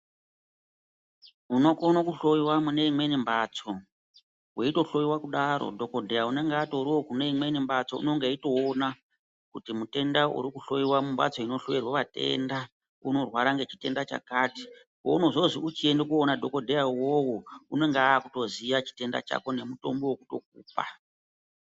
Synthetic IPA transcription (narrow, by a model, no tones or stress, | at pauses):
uno̞konokuɬo̞jiwamune̞imwe̞nimbat͡so | weito̞ɬo̞jiwakuɗaɾo̰dʱo̞ko̞dʱejaune̞ŋɡeatoɾiwo̞kune̞imwe̞nimbat͡so̞̰ṵno̞ŋɡeito̞ːna | kutimute̞ndaṵɾikuɬo̞jiwamumba̰t͡so̞ino̞ɬoʋirwaʋate̞̰nda | uno̞rwaɾaŋɡe̞t͡ʃi̥te̞ndat͡ʃa̰kaːti̥ | ko̰uno̞ʐoziut͡ʃie̞ndekuonadʱo̞ko̞dʱejawowoune̞ŋɡeaːku̥to̞ziʋat͡ʃi̥te̞nda̰t͡ʃa̰ko̞ne̞muto̞mbo̞woku̥to̞̰k̚ṵːpa̰